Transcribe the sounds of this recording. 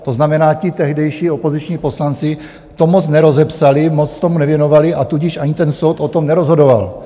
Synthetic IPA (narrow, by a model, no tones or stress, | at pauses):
t̪o̞znamɛnaːcɪt̪ɛɦdɛjʃiːo̞po̞zɪt͡ʃɲiːpo̞slant͡sɪ | t̪o̞mot͡snɛɾo̞zɛpsalɪmot͡st̪o̞munɛvjɛno̞valɪʔat̪uɟɪʃʔaɲɪt̪ɛnso̞wt̪o̞t̪o̞mnɛɾozɦo̞do̞val